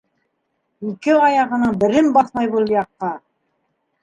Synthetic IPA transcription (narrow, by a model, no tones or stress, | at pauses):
ikɘɑjɑʁɤ̆nɤɴbɘ̆ɾɘmbɑθmɑjβulˠjɑqːɑ